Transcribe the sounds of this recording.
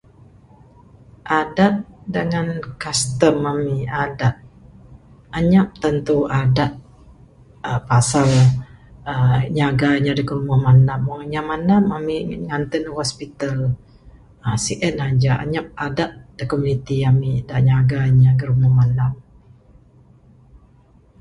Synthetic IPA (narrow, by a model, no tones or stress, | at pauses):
ʔadat̪̚dəŋankast̪əmamiadat̪̚ | aɲap̚t̪ənt̪uadat̪̚ | əpasal | əɲaɡaɲadəkərumahmanamɔŋɲamanamamiŋant̪ənəhɔspit̪al | əsiʔənhad͡ʒaʔa̰ɲap̚adat̪̚d̥əkomunit̪iamidaʔɲaɡaɲaɡərumɔhmandam